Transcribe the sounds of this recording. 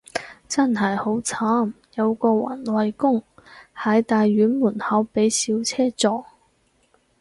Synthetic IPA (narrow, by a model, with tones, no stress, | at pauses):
t͡sɐ˥nhɐ˨jho˨˥wt͡sʰaː˥m | jɐ˨˧wkɔː˧wa̰ː˨˩nwɐ˨jkʊ˥ŋhɐ˨˥jt̪aː˨jːyː˨˥nmuː˨˩nhɐ˨˥wpe˨˥jsiː˨˥wt͡sʰɛː˥t͡sɔː˧